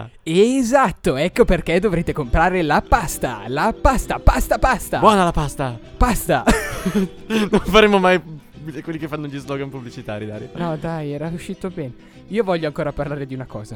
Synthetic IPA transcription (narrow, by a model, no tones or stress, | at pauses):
ezat̪ːoɛkːoperk̟ed̪ovɾeːt̪ekompɾaːɾelapast̪a̰lapast̪apast̪apast̪abwɔnalapast̪a | past̪a | nonfaɾemomaj | kwelːikefːanːoʎizlɔɡanpublit͡ʃit̪a̰ːɾjid̪a̰ːɾjnɔd̪ajɛɾauʃːiːt̪obɛːne | iːovɔʎːoaŋkoːɾaparlaːɾed̪iunakɔːza